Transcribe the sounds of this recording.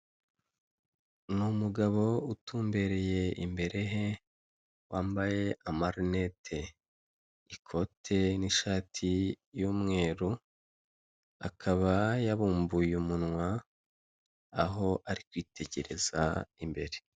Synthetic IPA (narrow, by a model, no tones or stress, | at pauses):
numuɡaβo̞utuːmbe̞ɾe̞je̞ʔḭmbe̞ɾe̞ɦe̞ | waːmbaje̞ʔamaɾne̞tʰe̞ | ikʰo̞tʰe̞niʃaːtʰi | juːmŋe̞ːɾu | akʰaβajaβuːmbujumunŋwa | ɦo̞ʔaɾikwiːtʰe̞ɟe̞ɾe̞za̰imbe̞ɾe̞